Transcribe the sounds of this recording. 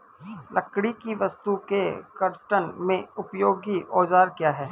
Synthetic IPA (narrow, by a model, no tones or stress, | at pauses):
lʔɐkɽ̃ikiʋɐst̪ukekəɾʈənmẽʊpjoːɡiʔɔːd͡ʒaːɾkjaːɦɛː